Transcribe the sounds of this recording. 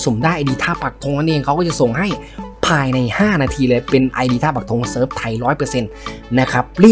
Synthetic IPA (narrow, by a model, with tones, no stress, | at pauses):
so˩˦mdaː˥˩jʔa˧diː˧t̪ʰaː˥˩pa˨˩k̚t̪ʰo˧ŋna˥˩nʔeː˧ŋkʰa˦wkɔː˥˩t͡ɕso˨˩ŋɦa˥˩jpʰaː˧jna˧jhaː˥˩naː˧t̪ʰiː˧lɤː˧jpe˧nʔa˧jdiː˧aː˥˩pa˨˩k̚t̪ʰo˧ŋsɤː˦˥˩p̚t̪ʰa˨˩jɾɔː˦˥jpɤː˧se˧nːa˦˥kʰa˦˥p̚ɾi˥˩